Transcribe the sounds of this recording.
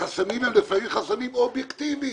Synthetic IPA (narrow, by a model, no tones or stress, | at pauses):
asamimɛmlifneinχasamimobjekt̪ivi